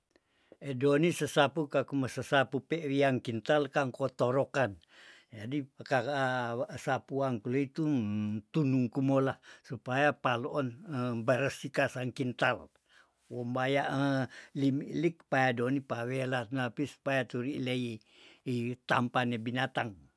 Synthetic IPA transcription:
edonisəsapukakumosəsapupɛʔɾiaŋkint̪alkaŋkot̪oɾokan | d͡ʒadika | sapuaŋkuloit̪ut̪unuŋkumolasupajapaloʔɔnəbəɾəsikasaŋkint̪al | wɔmbajaʔəlimiʔlik̚pajadonipawelanapisu̥pajat̪uɾiʔlei | it̪ampanebinat̪aŋ

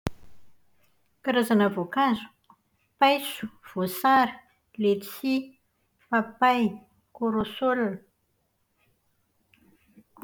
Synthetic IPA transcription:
kaɾazanavokazu̥ | pajsu̥v̥osaɾi̥ | let̪i̥si | papaj | koɾosolnə

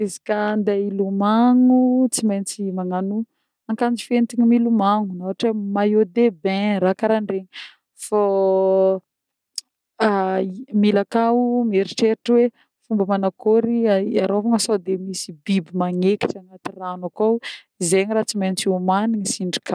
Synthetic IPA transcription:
izikand̪ailumaŋut͡simajnt͡simaŋanu | aŋkand͡zifent̪iɲimilumaŋunawaʈ͡ʂamajod̪ebẽɾakaɾaɳɖ͡ʐeɲi | fa | milakaumeɾiʈ͡ʂeʈ͡ʂwe | fumbəmanakoɾiaɾovaŋəsod̪emisibibimaŋeki̥ʈ͡ʂaŋat̪iranakaw | izeɲiɾaːt͡simajnt͡siumaniɲisiɳɖ͡ʐi̥ka

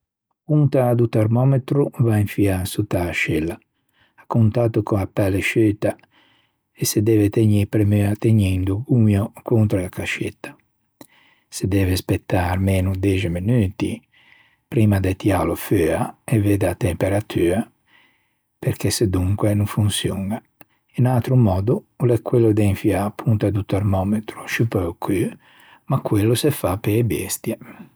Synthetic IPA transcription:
kunt̪ad̪ut̪ɛɾmɔmet̪ɾuvaiɱfiasut̪aʃilaː | kːunt̪aːt̪ukoapːaleʃøt̪a | esed̪ɛvet̪eɲipɾemyat̪eɲɛnd̪ukuɲjokunt̪ɾoakaʃet̪ːḁ | sed̪ɛːvespet̪ːaɾmeːnud̪ɛd͡ʒeminyːt̪ḭ | pɾiːmad̪et̪jaloføaeveːd̪at̪empeɾat̪ʰyːa | peɾkʰesed̪uŋkwenuɱfunsjuŋa | inalt̪ɾumɔːd̪ulɛkːwelːod̪eɱfiaːpʰːunt̪ad̪ut̪ɛɾmɔːmet̪ɾu̥ʃypɔkʰy | makːwelːusefapːeːbɛ̰st̪je

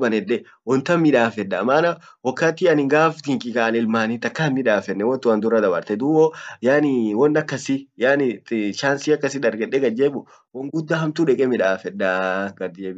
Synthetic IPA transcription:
bɐnɛᶑɛ | wɔnt̪ɐmɪᶑaːfɛᶑːɐmaːnɐ | wɔkːat̪ːɪɐnɪɡaːft̪ɪŋkʼɪkaːɐnɪlmaːnɪt̪ːɐkːamɪᶑaːfɛnːɛwɔnt̪ʊwɐnd̪ʊrːɐd̪ɐbɐ̰ɾt̪ɛd̪uːwɔjaːnɪwɔnːɐkːɐsɪjaːnɪt͡ʃaːnsiɐkːɐsɪd̪ɐɾɡɛᶑːɛɡɐd͡ʒeːbʊ | wɔŋɡʊd̪ːahɐmt̪uᶑɛkʼɛmɪᶑaːfɛᶑːaɡɐd̪ɪd͡ʒeːbɪ

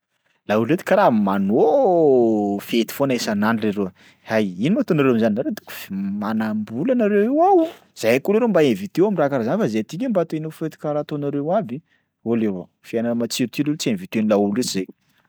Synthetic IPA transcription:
lauluet̪i̥kaɾamano | fet̪i̥fonesananireɾe | hajinimat̪onaɾewamzaninaɾet̪u̥ku̥fmanambulanaɾewewawu | z̥ajakuleɾembaevit̪euamirakaɾazanifazet̪ikʲambat̪oenofet̪i̥kaɾat̪onaɾewabi | olewa | fiananəmat͡siɾit̪iɾiet͡sienvit̪enilaulet͡ʃizej

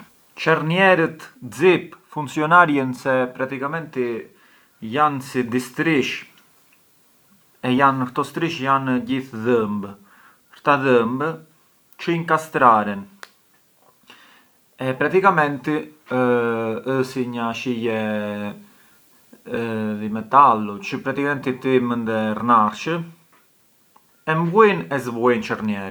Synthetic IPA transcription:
t͡ʃɛrnjɛɾət̪d͡zipfunsiɔnaɾjənsɛpɾat̪ikamɛnt̪i | jansid̪ist̪ɾiʃ | ɛjanɾt̪ɔst̪ɾiʃjanɟiθðəmb | ɾt̪aðəmb | t͡ʃəiŋkast̪ɾaɾɛn | ɛpɾat̪ikamɛnt̪i | əsiɲaʃijɛ | ðimɛt̪alut͡ʃəpɾat̪ikamɛnt̪it̪imənd̪ɛrnaɾʃə | ɛmbujnɛzβuint͡ʃəɾnjɛɾ

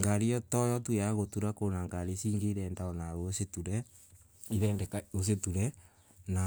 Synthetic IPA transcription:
ŋɡaɾijɔtɔjɔtujaɣotuɾakonaŋɡaɾesiːŋɡeiɾɛːndaɔnaɾosetuɾɛ | iɾɛːndɛkaos̬etuɾɛ | na

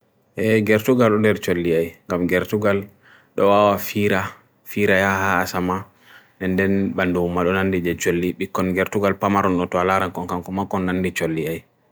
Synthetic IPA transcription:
ʔɛɡɛɾtuɡalɗɔndɛɾt͡ʃolːiajŋɡamɡɛɾtuɡal | ɗɔwawafiɾa | fiɾajahaːsama | ɛnːdɛnɓandumːaɗɔnandid͡ʒɛt͡ʃolːiɓikːɔnɡɛɾtuɡalpamaɾɔnɗɔtɔalaɾankɔnkaŋkɔmakɔnːanːdit͡ʃolːiaj

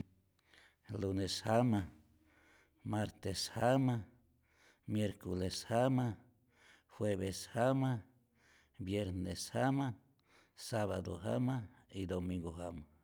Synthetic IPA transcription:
luneshama | maɾt̪eshama | mjeɾkoleshama | hweβeshama | bjeɾneshama | saβa̰d̪o̰ɦa̰maid̪omĩŋɡoɦama

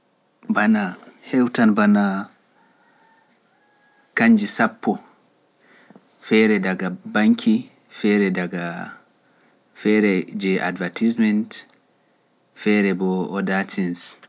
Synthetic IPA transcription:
banahɛwtanbana | kaɲd͡ʒisapːɔ | fɛɾɛdaɡabaŋkʰi | fɛːɾɛdaɡa | fɛɾɛd͡ʒɛʔa̰dvatismɛnt | fɛɾɛbɔɔdatins

